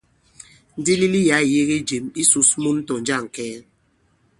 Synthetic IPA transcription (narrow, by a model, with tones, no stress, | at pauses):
n̩˦di˦li˦li˦ja˨˦˨je˦ɣe˦d͡ʒe˨mi˦su˨smu˦n̩˦to˨n̩˦d͡ʒa˦˨ŋ̩˨kɛː˦